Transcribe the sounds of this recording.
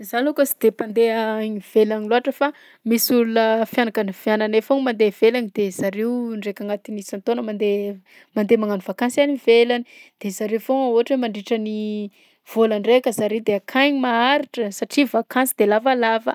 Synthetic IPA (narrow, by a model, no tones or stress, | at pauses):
zalukəsi̥d̪̥epand̪eaɲiv̥elaɲiloaʈ͡ʂəfa | misulunəfjanakanifjananefoŋmand̪ev̥elanid̪̥ezaɾewɳɖ͡ʐekaŋat̪inisant̪onəmand̪e | mand̪emaŋanuvakansanivelanid̪̥ezaɾefoŋaoaʈ͡ʂemaɳɖ͡ʐiʈ͡ʂəni | v̥oləɳɖ͡ʐekʲəzaɾewd̪eakʰajɲimaaɾiʈ͡ʂəsaʈ͡ʂivakansid̪elavalavə̰